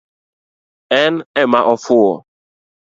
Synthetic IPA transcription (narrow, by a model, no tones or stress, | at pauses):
ɛnɛmaʔɔfʊɔ